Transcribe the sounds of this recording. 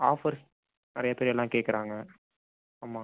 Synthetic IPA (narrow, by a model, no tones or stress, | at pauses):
aːfɐɾ | nɪɾɐjɐpeːɾjɛlːãːkeːʈkːɪɾaːŋɡɐ | aːmaː